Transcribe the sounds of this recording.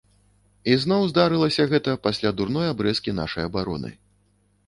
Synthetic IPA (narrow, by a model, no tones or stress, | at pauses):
izn̪ɔwzd̪aɾɨlˠɐsʲɐɣɛt̪ɐpasʲlʲad̪urn̪ɔjabɾɛskʲina̰ʂɐjɐbaɾɔ̰nɨ̰